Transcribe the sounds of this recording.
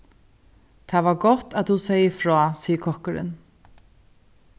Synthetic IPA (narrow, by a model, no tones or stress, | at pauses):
t̪ʰaːvaɾɡɔt̪at̪husɛjəfɾɔːsiːəkʰɔhkəɾɪ̰n